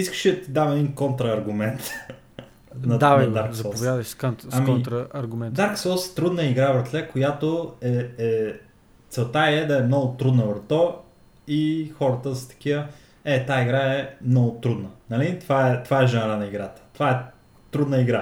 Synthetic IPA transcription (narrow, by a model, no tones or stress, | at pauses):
iskə̥ʃid̪ɐt̪id̪avɛd̪inkɔnt̪ɾəːɾɡʊmɛnt̪ | nɐd̪avd̪aɾkzsɐɔosvjad̪əʃsknɐmnt̪ɾəɐɾɡʊmɛnd̪aɾksɔlˠst̪ɾud̪nəiɡɾavəɾt̪lɛkojat̪oɛɛ | t̪sɛlˠt̪aiɛd̪ɐɛmnɔɡʊt̪ɾud̪nəvəɾt̪ɔ | ixɔɾət̪əzɐ̥t̪ɐ̥k̟iə | ɛt̪aiɡɾaɛmnɔɡʊt̪ɾud̪nənɐlit̪ovaɛt̪ovaɛʒɛnɾanɐiɡɾat̪ə̥t̪ovaɛ | t̪ɾud̪nəiɡɾa